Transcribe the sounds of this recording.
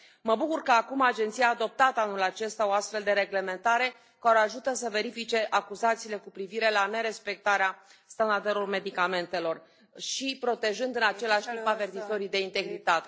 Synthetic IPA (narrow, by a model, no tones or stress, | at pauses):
məbukurkəakumad͡ʒe̞nt̪sijaːd̪o̞p̚t̪at̪əanulat͡ʃe̞st̪ao̞ast̪fe̞ld̪e̞ɾe̞ɡle̞me̞nt̪aɾe̞ | kaɾeaʒut̪əsəve̞ɾifit͡ʃe̞ʔakuzat̪siːle̞kupɾiviɾe̞lane̞ɾe̞spe̞k̚t̪aɾeast̪and̪ard̪eɾorme̞d̪ikame̞nt̪e̞lo̞r | ʃipɾo̞t̪e̞ʒɨnd̪ɨnat͡ʃe̞laʃt̪impave̞rt̪izo̞ɾijd̪e̞int̪e̞ɡɾit̪at̪e